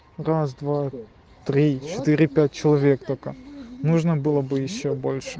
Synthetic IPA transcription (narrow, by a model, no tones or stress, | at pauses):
rasd̪va | t̪ɾʲit͡ɕɪt̪ɨɾʲɪpʲæt̚ʲt͡ɕɪlˠɐvʲe̞k̚t̪okənuʐnəbɨlˠəbɨjɪɕːobo̞lʲʂɨ̥